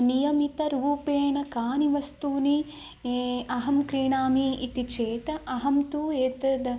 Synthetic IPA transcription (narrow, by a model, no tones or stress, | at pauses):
nijɐmit̪ɐɾuːpeːɳɐkaːniʋɐst̪uːni | ɐɦɐmkɾiːɳaːmiːt̪it͡ʃeːt̪ɐʔɐɦɐmt̪uːeːt̪ɐd̪ɐ